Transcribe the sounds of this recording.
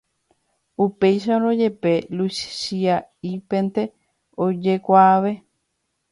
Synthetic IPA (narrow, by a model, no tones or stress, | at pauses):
upe̞jʃaoɾo̞d͡ʒe̞pe̞lusʃiaipe̞nt̪e̞ | o̞d͡ʒe̞kʷaːʋe̞